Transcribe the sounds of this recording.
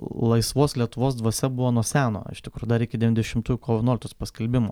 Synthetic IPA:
lˠɐɪsʋoːslʲiɛt̪ʊʋoːs̬d̪ʋɐsʲɛbʊʋoːnuɔsʲæːno̰ːɪ̰ʃt̪ʲɪkɾuːjʊd̪ɐɾɪkʲɪd̪ʲɛʋʲnʲd̪ʲɛʃʲɪmt̪uːjʊkoːʋʲɛnoːlʲkʲt̪oːspɐsʲkʲɛlʲbʲɪmoː

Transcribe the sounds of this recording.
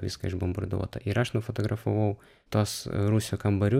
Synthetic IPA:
ʋʲɪskɐɪʒbombɐrd̪ṵɔt̪ɐ̰ʔɪɾɐʃnʊfot̪oɡɾɐfoʋɐʊ | t̪uɔsɾuːsʲʊkɐmbɐɾʲʊ

